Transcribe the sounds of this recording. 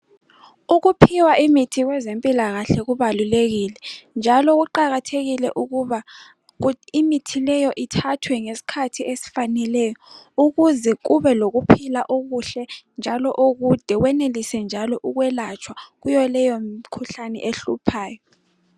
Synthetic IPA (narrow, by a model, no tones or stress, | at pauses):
uɣupʰiwaʔimitʰiɣwɛzempʼilaɣaɬɛɣuβaluleɣiːlɛnd͡ʒʱalɔɣuǃaɣatʰeɣilɛ̰ʔuɣuβa | imitʰilɛjɔʔitʰatʰwɛŋesi̥kʰatʰiesi̥fanɛlɛːjɔuɣuzɛɣuβɛloɣupʰilaʔoɣuɬɛnd͡ʒʱalɔʔuɣud̥ʱɛwɛnelisɛnd͡ʒʱalɔʔuɣwɛlat͡ʃʰʼwaɣujɔlɛjɔmkʰuɬanɛ̰ʔeɬupʰaːjɔ